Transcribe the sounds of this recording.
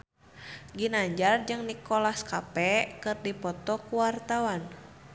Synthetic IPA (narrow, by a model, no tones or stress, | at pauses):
ɡinaɲd͡ʒard͡ʒɨŋnikɔlaskapɛkɨrdipɔt̪ɔkuwart̪awan